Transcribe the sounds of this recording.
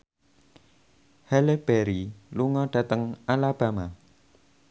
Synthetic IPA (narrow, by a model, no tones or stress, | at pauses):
hɛleb̥eɾiluŋɔɖ̥ä̤t̪əŋalab̥a̤ma